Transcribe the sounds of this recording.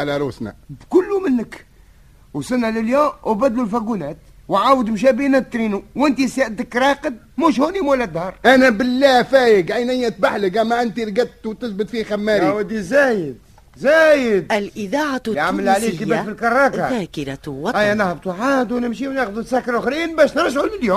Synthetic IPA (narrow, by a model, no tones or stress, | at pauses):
alæɾˤuːsnæ̰bkʊlːumɪnːək | wsɪnːalɪljuːmbæd̪lulfæɡunæːt̪ | wʕaːwəd̪mʃ̬æbiːnæt̪ːɾiːnuwʔɪnt̪isaʔd̪ɪkɾˤɑːqəd̪̚muʃ̬huːnimwlːæd̪hɑɾˤʔænæbɪlːæfæːjəɡʕajnæjːæt̪̚baħləkæmæʔɪnt̪iɾɡæt̪t̪ːwt̪ɪθbɪt̪fixæmːæːɾjiwæd̪izæːjɪd̪̚ | zæːjɪd̪̚lʔɪðɑːʕaʕaamːəlʕaliːt̪ibæfilkɑɾˤːɑːkakɪɾat̪wɑæjænaħbt̪uʕaːd̪wnɪmʃiwnexd̪ut̪sækːɾˤʊxɾiːnbæːʃnɾˤɑʒʕulɪljuːm